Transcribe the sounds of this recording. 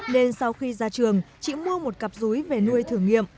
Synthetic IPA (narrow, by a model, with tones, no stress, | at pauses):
ne˧nsa˧wxi˧zaː˧t͡ɕɨ˨˩əŋt͡ɕḭ˧˥˨mu˧əmo˨˩t̚ka˨˩p̚zu˨˦jve˨˩nu˧əjt̪ʰɨ˧˩əŋːḭ˧˨əm